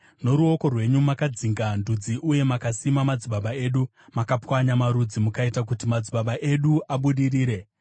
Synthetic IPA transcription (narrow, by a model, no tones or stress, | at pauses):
no̞ɾuo̞ko̞rwe̞ɲumakad͡ziŋɡandud͡ziʔuje̞makasimamad͡ziɓaɓae̞ːɗu | makapwaɲamaɾud͡zimukaitak̬utimad͡ziɓaɓaʔe̞ɗuʔaɓuɗiɾiːɾe̞